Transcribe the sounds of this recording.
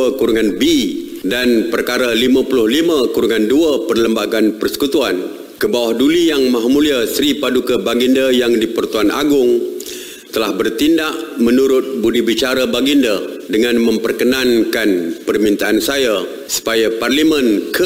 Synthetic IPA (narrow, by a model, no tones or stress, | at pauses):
əkuɾuŋanbi | danpərkaɾalimãpulʊhliməkuɾuŋãnduəpərləmbaɡanpərsə̥kut̪uan | kəbawahdulijaŋmãɦamuliasɾipadukəbaɡindəjaŋdipərt̪uana̰ɡʊŋ | t̪əlahbərt̪indaʔmə̃nuɾʊt̪̚budibit͡ʃaɾabaɡindədəŋãnmə̃mpərkənankanpərmint̪aːnsaja | su̥pajaparlimə̃nkə